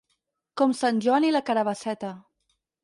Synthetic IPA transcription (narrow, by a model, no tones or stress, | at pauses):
kɔmsanʲʒɔnilakaɾaβəsɛt̪ə